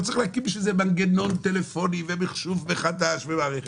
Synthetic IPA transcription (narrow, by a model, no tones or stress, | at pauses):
tt͡saʁiχleakimʃezebaŋɡeno̞nt̪elefo̞nivebiχʃuvbeχadaʃvemaːʁeχe